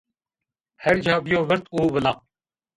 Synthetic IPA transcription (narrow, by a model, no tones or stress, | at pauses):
həɾd͡ʒʱaːbijoːʋəɾt̪ʰuːbəla